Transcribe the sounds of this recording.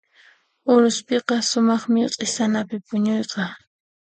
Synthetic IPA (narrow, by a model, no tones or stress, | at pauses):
ʊɾʊspeqɑsʊmɑχmɪqʼesanapɪpʊɲojqɑ